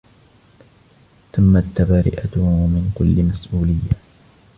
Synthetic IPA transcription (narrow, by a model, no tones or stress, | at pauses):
t̪amːat̪ːabaːɾɪ̰ʔat̪mɪnkʊlːɪmasʔuːlɪjːa